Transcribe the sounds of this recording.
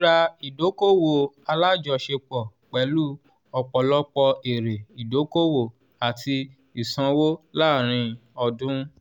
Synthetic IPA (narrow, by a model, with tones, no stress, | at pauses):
ɾa˧i˨do˨˦ko˦wo˨a˧la˦˨d͡ʒɔ˧˨ʃe˧k͡pɔ˨k͡pɛ˨˦lu˦ | ɔ˧k͡pɔ˨lɔ˦k͡pɔ˧e˨ɾe˨i˨do˨˦ko˦wo˨ | a˨tʰi˧ | i˨sã˧wo˦la˦˨ɾ̃ĩ˧ɔ˧dũ˦